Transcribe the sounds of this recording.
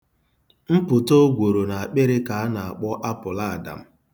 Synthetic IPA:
m̩˦pʊ˨to˦ɡʷo˨ɾo˨na˨a˨k͡pe˦ɾɪ˦ka˨a˦na˨a̰˨k͡pɔ˦ʔa˦pʊ˨la˦˨da̰˨m̩˦

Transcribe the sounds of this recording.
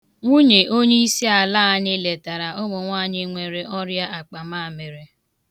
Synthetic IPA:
ŋʷu˦ɲe˨ʔo˦ɲe˦i˦si˦a˨laː˦˨˦ɲɪ˦le˨ta˨ɾa˨ʔʊ˦mʊ˨ŋʷaː˦˨ɲɪ˦ŋʷe˨ɾe˨ʔɔ˦ɾja˦a˨k͡pa˨maː˦˨me˨ɾe˨

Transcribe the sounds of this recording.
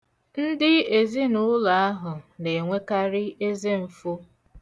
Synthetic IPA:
n̩˦dɪ˦e˨zi˦nʊ˦la˨a˦ɦʊ˨ne˨ŋʷe˦ka˦ɾɪ˦e˦ze˦m̩˨fʊ˦

